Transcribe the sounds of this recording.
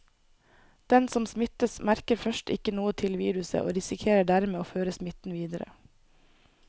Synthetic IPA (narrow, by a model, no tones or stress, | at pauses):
d̪̥ɛnsɔmsmɪt̪əsmæɾkəɾfœʃtɪkənuːət̪ʰɪlʋḭːɾʉsə̰ʔo̰ːɾɪsɪkʰeːɾəɖæɾmeːoːføːɾəsmɪt̪n̩ʋiːd̪əɾə̰